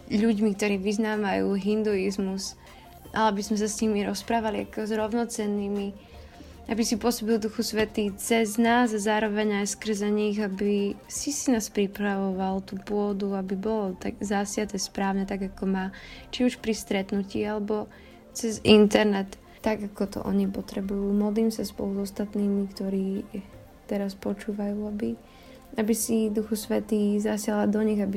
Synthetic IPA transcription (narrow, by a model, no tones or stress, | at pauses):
ʎuɟmik̚t̪ɔɾiːʋiznaːʋajuːɦind̪uizmus | ʔa̰lɛabizmɛs̬asɲimiɾɔspɾaːʋalia̰kɔzɾɔʊnɔt͡sɛnːiːmi | abisipʊɔsɔbild̪uxusʋɛt̪it͡sɛznaːzazaːɾɔʋɛɲajskr̩zaɲiɣabisisinaːspɾipɾaʋɔʋalt̪uːpʊɔd̪uabibɔlɔt̪aɡzasɪat̪ɛspɾaːʊɲɛt̪aɡakɔmat͡ʃiuʃpɾist̪ɾɛt̪nuciːalɛbɔ | t͡sɛzint̪ɛɾnɛt̪ː | aɡakɔt̪ɔ̰ʔɔɲipɔt̪ɾɛbujuːmɔd̪liːmsaspɔluzɔst̪at̪niːmikt̪ɔɾiː | t̪ɛɾaspɔt͡ʃuːʋajuːabi | abisid̪uxɔsʋɛt̪iːzasɪalad̪ɔɲiɣabi